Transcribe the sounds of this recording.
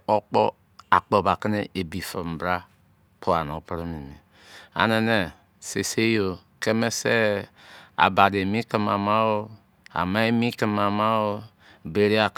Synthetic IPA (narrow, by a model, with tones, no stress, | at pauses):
o˦k͡po˦ | a˨k͡po˦˨ba˨ke˦ne˦e˨bi˨fa˨m˨bɾa˦ | pʰo˦a˨no˨˦pɾi˦mi˨mi˨ | a̰˨ne˦ne˨ | se˨se˦jo˨ | ke˦me˦se˦ | a̰˨ba˨de˨mi˦ki˨ma˨ma˦wo˦ | a̰˨ma˦e˦mi˦ki˦ma˨ma˦wo˦ | be˨ɾi˦a˨